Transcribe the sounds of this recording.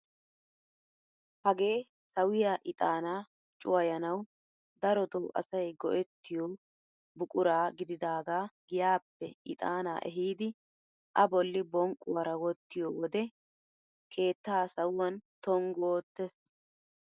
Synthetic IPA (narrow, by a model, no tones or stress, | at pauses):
hɐɡe̞ː | sɐwɪjaːʔɪt̪ʼaːnaː | t͡ʃʼːʊwɐjɐnɐw | d̪ɐɾɔd̪ɔːʔɐ̰sɐjɡɔ̰ʔɛt̪ːɪjɔː | bʊkʼʊɾaːɡɪd̪ɪd̪aːɡaːɡɪjaːpːɛʔɪ̰t̪ʼaːna̰ːʔɛ̰ɦiːd̪ɪ | ʔɐbɔlːɪbɔŋkʼʊɐɾɐwɔt̪ːɪjɔwɔd̪ɛ | kʰe̞ːt̪ːaːsɐwːɐnt̪ɔŋɡoːt̪ːɛs